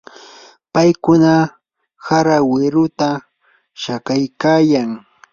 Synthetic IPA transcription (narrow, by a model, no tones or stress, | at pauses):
pajkʊna | saɾawɪɾʊt̪a | ʃakajkaːjaŋ